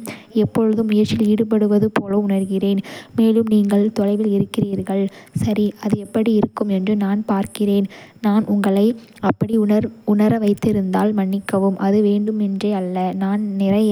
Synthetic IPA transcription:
ɛpːɔɻɯðɯmʊjɐɾt͡ʃːɪliːɽɯp̬ɐɽɯʋɐðɯpoːlɐʊnɐɾɣɪreːnmeːlɯmniːŋɡɐɭt̪ɔlɐɪʋɪlɪɾɯkːɪriːɾɣɐɭsɐɾiɐðɯɛpːɐɽiɪɾɯkːɯmɛndrɯnaːnpaːɾkɪreːnnaːnʔʊŋɡɐɭɐɪ | ɐpːɐɽiɐɾʊnɐɾɐʋɐɪt̪ːɪɾɯnd̪aːlmɐɳːɪkːɐʋɯmʔɐðɯʋeːɳɖɯmɛndreːɐlːɐnaːnnɪrɐ

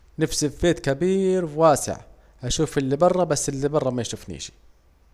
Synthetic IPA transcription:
nafsɪfbeːt̪kabiːɾwwaːsɪ̰ʕ | ʔaʃuːfɪlːibɑrˤːɑbasːɪlːibɑrˤːɑmajʃʊfnḭːʃi̥

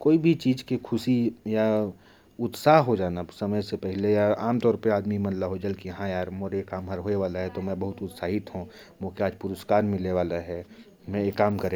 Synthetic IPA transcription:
koːibʱit͡ʃiːd͡ʒkekʰʊsija | ʊt̪saːɦɦod͡ʒaːnasɐməjsepɛɦlejaaːmt̪ɔːɾpeaːd̪mimɐ̃nlaɦod͡ʒɐlkeɦãjaːɾmoːɾekaːmɦɐɾɦoːeʋaːlaɦɛt̪omɛ̃bɐɦʊt̪ʊt̪saːɦɪt̪ɦũ | mõːkeaːd͡ʒpʊɾəskaːɾmɪleʋaːlaɦɛ | mɛ̃jekːaːmkəɾẽ

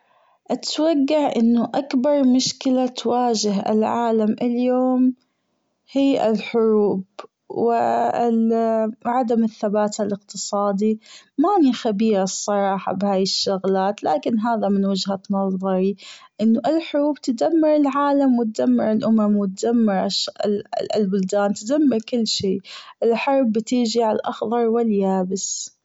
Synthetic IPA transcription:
ʔat̪waɡːaʕʔɪnːʊʔakbɑɾˤmʊʃkɪlat̪waːd͡ʒɪɦɪ̰lʕaːlamʔɪljoːm | hiːʔɪ̰lħʊɾuːb | wɪ | ʕad̪amɪθːabaːt̪alɪq̚t̪ɨsˤɑːd̪imaʕnixabiːɾsˤːɑɾˤɑːħɑ̰bhaːjɪʃːʊɣlaːt̪la̰ːkɪnɦaːðamɪnwɪd͡ʒhanɑzˤðˤɑɾˤiʔɪnːʊʔɪlħʊɾuːb̚t̪ad̪amːɪɾɪlʕaːlamwɪt̪̚d̪amːɪɾɪlʔʊmamwɪt̪̚d̪amːɪɾʃ | ɪlbʊld̪aːnt̪d̪amːɪɾkɪlːʃiːʔɪlħɑɾˤbːɪt̪iːd͡ʒiʕalʔɑxðˤɑɾˤwɪljaːbɪs

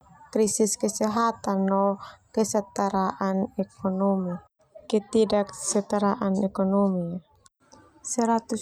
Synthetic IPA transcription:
kɾisiskɛsɛɦat̪anːɔkɛsat̪aɾaʔanɛkɔnɔmi | kɛt̪idaksɛt̪aɾaʔanɛkɔnɔmia | sɛɾat̪u

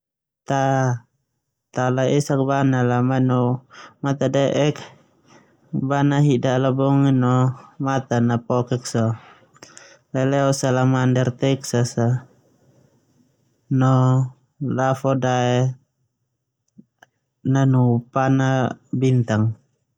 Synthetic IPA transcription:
t̪a | t̪alaɛsak̚banalamanɔmat̪adɛʔɛk | banaɦidalabɔŋinɔmat̪anapɔkɛksɔ | lalɛɔsalamandɛrt̪ɛksasa | nɔ | lafɔdaɛ | nanupanabint̪aŋ

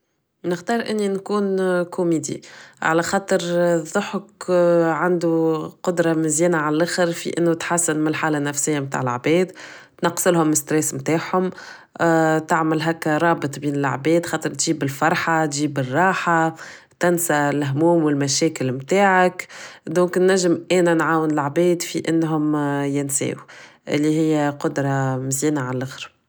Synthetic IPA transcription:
nɪxd̪ɑːɾˤʔɪnːinkuːnkʰʊmiːd̪ḭʕa̰læxɑːt̪ˤəɾðˤːʊħʊkʕand̪uqʊd̪ɾˤɑmɪzjɛːnaʕallʔaxɪɾfḭʔɪnːut̪ħasːɪnmɪlħaːlanːæfsɪjːamt̪a̰ːʕɪl̰ʕbɛːd̪ | t̪nɑqːsɪlhʊmɪst̪ɾɛːsmt̪aːʕhʊm | t̪ɪʕmɪlɦækːɾˤɑːbɨt̪ˤbiːnɪl̰ʕbɛːd̪xɑːt̪ˤəɾt̪ʒiːbɪlfɑɾˤħat̪ʒiːbɪrˤːɑːħa | t̪ɪnsalɦmuːmwɪlmæʃɛːkɪlmt̪aːʕakd̪õːŋknːæʒːɪmʔɛːnænʕaːwɪnɪlʕbɛːd̪fiʔɪnːɦʊmjɪnsɛ̰ːwuʔɪ̰lːiɦɪjːæqʊd̪ɾˤɑmɪzjiːnaʕanlʔɪxɾ

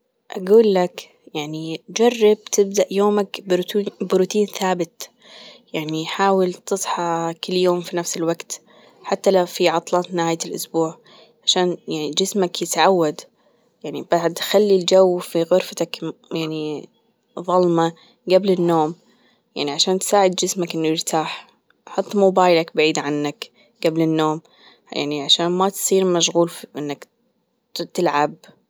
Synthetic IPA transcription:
ʔaɡuːlːak | jaʕnid͡ʒɑrˤːɑb̚t̪ɪb̚d̪aʔjoːmakbbɪɾʊt̪iːnθaːbɪt̪ | jaʕniħaːwɪlt̪ɨsˤħɑkɪlːjoːmfinafsɪlwaɡt̪ | ħat̪ːalafiʕɑt̪ˤlɑːt̪nɪhaːjalʔʊ̰sbuːʕ | ʕaʃaːnjaʕnid͡ʒɪsmakjɪt̪ʕawːad̪ | jaʕnibaʕd̪xalːild͡ʒawːfiɣʊɾfat̪akjaʕni | ðˤɑlmɑ | ɡablɪnːoːm | jaʕniʕaʃaːnt̪saːʕɪd̪̚d͡ʒɪsmakʔɪnːujɪɾt̪ʰaːħ | ħɑt̪ˤːmobaːjlakbaʕiːd̪ʕanːak | ɡablɪnːoːm | ja̰ʕniʕaʃaːnmat̪sˤiːɾmaʃɣuːlʔɪnːak | t̪ɪlʕab̚

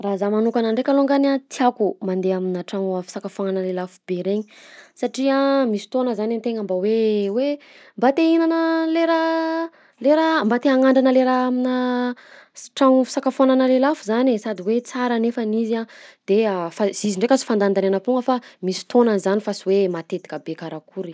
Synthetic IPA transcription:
razamanukanaɳɖ͡ʐekʲaloŋɡanat̪iakumand̪eaminaʈ͡ʂaŋafi̥sakafananəlelafubeɾeɲisaʈ͡ʂiamisi̥t̪onəzanant̪eŋəmbawewe | mbat̪einanəleɾa | leɾambat̪eaŋaɳɖ͡ʐanəleɾaaminə | ʈ͡ʂaŋfi̥sakafananəlelafuzanesad̪iwet͡saɾənefaniziad̪̥eafaziziɳɖ͡ʐekʲasi̥fand̪and̪ananəpuŋɡəfamisi̥t̪onanzanifasiwemat̪et̪i̥kabekaɾakʰuɾi

